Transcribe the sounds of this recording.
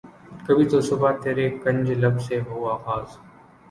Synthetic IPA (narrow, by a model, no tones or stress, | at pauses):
kɐbʱiːt̪osʊbat̪eɾeːkːɐ̃nʲd͡ʒlɐbseɦoːaːɣaːz